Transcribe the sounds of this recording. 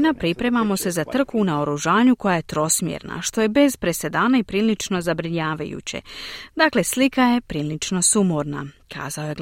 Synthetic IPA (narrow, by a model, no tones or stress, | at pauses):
napɾipɾe̞mamo̞se̞zat̪r̩kuːnaoɾuʒaːɲuko̞jaje̞t̪ɾo̞smjḛɾna̰ʃt̪o̞je̞be̞zpɾe̞se̞d̪aːnaipɾiːlit͡ʃno̞zabɾiɲaːʋa̰jṵt͡ɕḛd̪akle̞slikaje̞pɾiːlit͡ʃno̞sumoɾnakʰa̰ːzao̞jeɡ